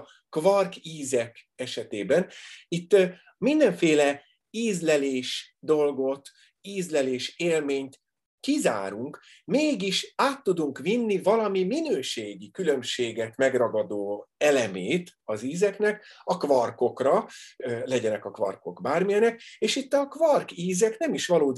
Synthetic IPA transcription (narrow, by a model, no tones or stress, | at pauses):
kvɒrkiːzɛkɛʃɛt̪eːbɛnit̪ː | mind̪ɛɱfeːlɛ | iːzlɛleːʃd̪o̞lɡo̞t̪ | iːzlɛleːʃeːlmeːɲt̪ | kiza̰ːɾuŋk | meːɡiʃaːt̪ːud̪uŋkʋinːivɒlɒmiminøːʃeːɡikylømʃeːɡɛt̪mɛɡrɒɡɒd̪oːɛlɛmeːt̪ɒziːzɛknɛkɒkvɒrko̞krɒ | lɛɟɛnɛkɒkvɒ̰rko̞̰kbaːrmijɛnɛkeːʃit̪ːɒkvɒrkiːzɛknɛmiʃʋɒloːd̪